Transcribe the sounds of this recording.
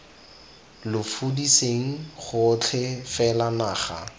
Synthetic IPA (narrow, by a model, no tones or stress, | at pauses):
lʊfudiseŋ̩χʊt͡ɬʰɪfɛlanaːχa̰